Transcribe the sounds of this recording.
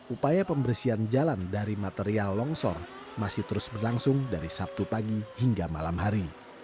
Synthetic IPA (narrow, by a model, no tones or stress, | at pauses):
ʔupajapəmbərsiand͡ʒalandaɾimat̪eɾialːɔŋsɔ̰r | masɪht̪əɾʊsbərlaŋsʊŋdaɾisap̚t̪upaɡihiŋɡama̰lamɦaɾi